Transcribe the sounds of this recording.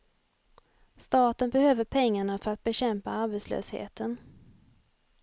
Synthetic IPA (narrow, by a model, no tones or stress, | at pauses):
st̪ɑːt̪ənbɛhøːvəɾpʰɛŋːaɳafœɾat̪̚bɛɕɛmpaaɾbɛt̪slø̰ːshḛːt̪ən